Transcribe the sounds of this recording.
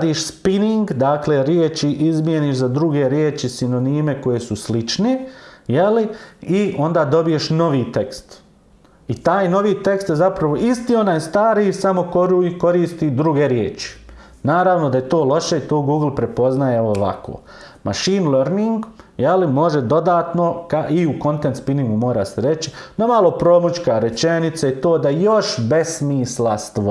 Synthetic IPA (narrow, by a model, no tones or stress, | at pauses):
d̪iːʃspiniŋɡd̪aːkleɾjeːt͡ʃiʔizmjeniːʃzad̪ɾuɡe̞ɾjeːt͡ʃisino̞niːme̞ko̞jesuslit͡ʃnejeliio̞nd̪aːd̪o̞bije̞ʃno̞ʋiːt̪e̞kst̪ | it̪aːjno̞ʋiːt̪e̞kst̪jezapɾaʋo̞ʔist̪iːo̞naːjst̪aːɾisamo̞koɾuiko̞ɾiːst̪id̪ɾuɡe̞ɾjḛːt͡ʃi̥ | naːɾaʋnod̪ajet̪o̞ːlˠo̞ʃe̞it̪oːɡuːɡlˠpɾe̞po̞znajeoʋa̰kʰo̰ː | mʔa̰ʃiːnleɾniŋɡjelimo̞ʒed̪o̞d̪aːt̪no̞kaʔiuko̞nt̪et̪spiniŋɡumo̞ːɾa̰seɾe̞t͡ʃi̥d̪omalˠo̞pɾo̞ːmut͡ʃkaɾe̞t͡ʃe̞nit̪sait̪o̞ːd̪ajo̞ʃbe̞smiːslast̪